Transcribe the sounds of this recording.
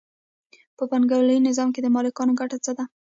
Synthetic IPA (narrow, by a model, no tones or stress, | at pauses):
pəpaŋɡawləjnɪzɑmk̬ed̪əmɑlɪkɑnoɡaʈat͡səd̪a